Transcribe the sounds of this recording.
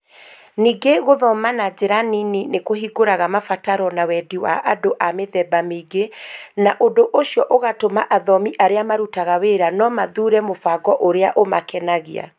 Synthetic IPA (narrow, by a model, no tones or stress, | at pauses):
niːɡeɣoðɔmanad͡ʑeɾanininekoɦiɡoɾaɣamafataɾɔnawɛdiwa̰ʔadoʔameðɛbameɡenaʔodoʔoɕiɔʔoɣatomaʔaðɔmiʔaɾeamaɾutaɣaweɾanɔmaðuɾɛmofaɡɔʔoɾeaʔomakɛnaɣia̰